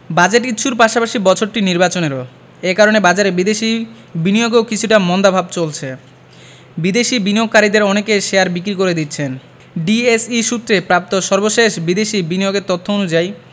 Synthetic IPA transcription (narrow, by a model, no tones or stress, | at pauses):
bad͡ʑeʈkiːt͡ɕʰuɾpaʃapaʃibɔt͡ɕʰoɾʈiniɾbat͡ɕoneɾo | ekaɾonebad͡ʑaɾebid̪eʃi | binijoɡewkit͡ɕʰuʈamɔnd̪abʱabt͡ɕolt͡ɕʰe | bid̪eʃibinijoɡ̚kaɾid̪eɾɔnekeʃeaɾbikɾikoɾed̪itːɕʰen | ɖiesiʃut̪ːɾepɾap̚t̪oʃɔɾboʃeʃbid̪eʃibinijoɡeɾt̪ot̪ʰːoonud͡ʑaj